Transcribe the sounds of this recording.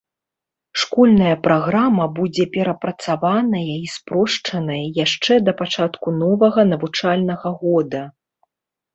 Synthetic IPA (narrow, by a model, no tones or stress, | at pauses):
ʂkɔlʲnɐjɐpɾaɣɾamɐbud͡zʲɛpʲɛɾɐpɾɐt̪savanɐjɐispɾɔʂt͡ʂɐnɐjɐjaʂt͡ʂɛd̪ɐpat͡ʂat̪kunɔvɐɣɐnɐvut͡ʂalʲnɐɣɐɣɔd̪ɐ